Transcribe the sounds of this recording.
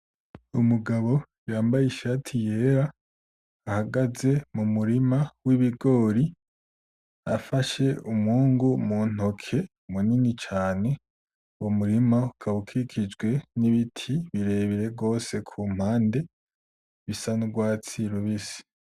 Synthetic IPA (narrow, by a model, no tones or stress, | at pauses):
umuɡaβo̞ | jaːmbajiʃatʰije̞ːɾaː | haɡaze̞mumuɾimawiβiɡo̞ːɾi | afaʃe̞umuːŋɡumuːn̥o̞kʰe̞ | muninit͡ʃaːne̞ | womuɾimaukʰaβukʰikʰid͡ʒɡwe̞niβitʰiβiɾe̞βiɾe̞ɡo̞ːse̞kʰum̥haːnde̞ | βisanuɡwaːt͡siɾuβisi̥